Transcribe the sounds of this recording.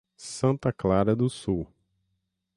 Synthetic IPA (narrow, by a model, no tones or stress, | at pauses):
sɐ̃t̪ɐklaɾɐd̪ʊsuw